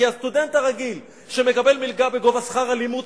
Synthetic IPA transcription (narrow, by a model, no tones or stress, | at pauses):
iast̪ud̪e̞nt̪aʁaɡil | ʃeme̞kabe̞lmilɡabeɡo̞vasχaʁalimut